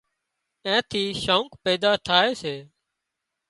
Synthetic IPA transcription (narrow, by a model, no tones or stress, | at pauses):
ẽːt̪ʰiːʃoũːkpeːd̪aːt̪ʰaːeːseː